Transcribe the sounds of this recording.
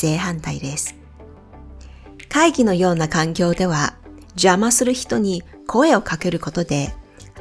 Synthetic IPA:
e̞ːɦãnt̪aid̪e̞sɨ̥ | kaiɡʲino̞jo̞ːnakãŋkʲo̞ːd̪e̞β̞a | ʑamasɨɾɯ̟çi̥t̪o̞ɲ̟i | kʰo̞e̞o̞kake̞ɾɯ̟ko̞t̪o̞d̪e̞

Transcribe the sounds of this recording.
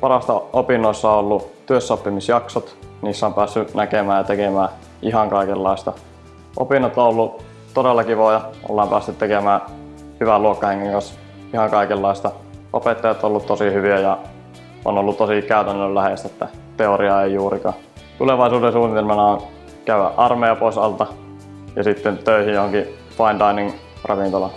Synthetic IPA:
pɑrɑst̪ɑopinːoisːɑoolːut̪yøsːopːimisjɑksot̪niːsːæompæːsːynækemæːjɑt̪ekemæː | iɦɑŋkɑikelːɑist̪ɑ | ʔo̰pinːɑt̪ːoolːu | t̪odelːɑkiʋojɑo̰lːɑːmpæːsːyt̪t̪ekemæː | hyʋæluokːɑheŋːiŋkɑns | ihɑŋkɑikelːɑist̪ɑ | ʔo̰pet̪ːɑjɑt̪ːolːut̪t̪osihyʋiæjɑ | o̰nolːut̪t̪osikæˑyt̪ænːøllæhest̪æet̪ːæ | t̪eoriɑeijuːɾikɑ̰ː | t̪uleʋɑisuːdensuːnit̪elmɑnɑon | kæyæ̰ʔɑrmejɑpoˑisɑ̰lt̪ɑ | jɑ̰sit̪ːent̪øˑihijjohoŋki | pɑint̪ɑinin | rɑʋint̪olɑ

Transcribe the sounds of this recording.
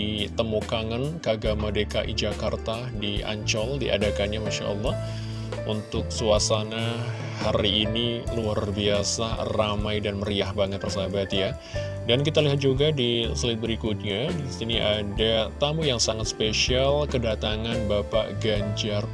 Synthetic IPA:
it̪əmukaŋankəaɡamadekaʔḭd͡ʒakart̪a | diʔa̰ɲt͡ʃɔldiʔa̰dakanɲamaʃa̰ʔə̰lːɑh | unt̪ʊk̚suasana | haɾiːniluarbiasaramajdanməɾiahbaŋət̪̚bərsabat̪ja | dankit̪aliɦat̪̚d͡ʒuɡadisəlɪt̪̚bəɾikʊt̪̚ɲadisiniʔadat̪amujaŋsaŋat̪spesialkədat̪aŋanbapa̰ʔɡaɲd͡ʒar

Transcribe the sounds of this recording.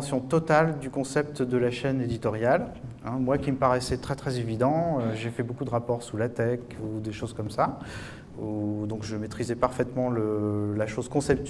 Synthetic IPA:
sjɔ̃t̪ɔt̪ald̪ykɔ̃sɛp̚t̪d̪əlaʃɛned̪it̪ɔʁjal | ɛ̃mwakʲiməpaʁɛsɛt̪χɛt̪χɛzevid̪ɑ̃øʒefɛbokud̪əʁapɔʁsulat̪ɛkud̪eʃozkɔmsa | ud̪ɔ̃kʒəmet̪χizɛpaʁfɛt̪mɑ̃ləlaʃozkɔ̃sɛp̚t̪

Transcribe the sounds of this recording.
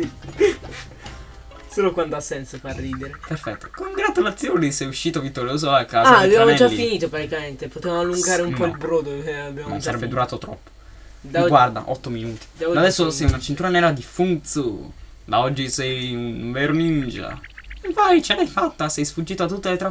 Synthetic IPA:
soːlokwand̪oasːɛnsofarːiːd̪eɾeperfɛt̪ːo̥koŋɡɾat̪ulat̪sːjoːnisɛjuʃːiːt̪ovit̪ːoɾjoːzoakːaːaabjamoɛd͡ʒalːifːiniːt̪opɾat̪ikament̪epot̪evamoalːuŋɡaːɾeumpnɔilbɾod̪oabjanõ̰saɾɛbːed̪uɾaːt̪ot̪ɾɔ̰pːo̥d̪aɡward̪a̰ʔɔt̪ːominuːt̪i̥d̪aad̪ɛsːosɛjunat͡ʃint̪uːɾanɛːɾad̪ifunt̪su | d̪aɔd͡ʒːisɛjunveɾonind͡ʒa̰evajt͡ʃenɛjfat̪ːasɛjsfud͡ʒːiːt̪oat̪ːut̪ːelet̪ɾa

